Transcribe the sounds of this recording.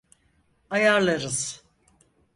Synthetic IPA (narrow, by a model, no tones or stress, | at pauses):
ajaɾlˠaɾɯz̥